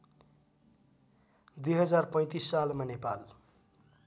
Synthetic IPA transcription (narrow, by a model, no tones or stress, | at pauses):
d̪ujɦʌd͡zarpʌ̃j̃t̪isːalmanepal